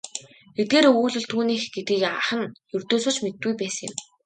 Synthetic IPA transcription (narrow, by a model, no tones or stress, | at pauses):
et̪̚ɡeːɾuːɮɵ̆ɮt̪ʰuːniːxɡ̥et̪ɡiːkaχə̆njɵr̥t̪oːsoːt͡ɕmet̪̚ɡujpæːsə̆ŋɪ̆m